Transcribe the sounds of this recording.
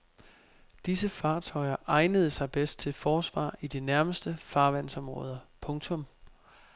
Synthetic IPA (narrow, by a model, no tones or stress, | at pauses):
d̥is̬əfɑ̈ːt͡sʰɒ̽ɪɐʔɑ̈ɪnəð̞ˠəsɑ̈ɪb̥esd̥̚t͡sʰe̝lfɒːsʋɑ̰̈ːid̥inæɐməsd̥əfɑ̈ːʋæn̰sɒ̽mʁɔ̽ːð̞ˠɐpʰɔ̽ŋt͡sʰɔ̽m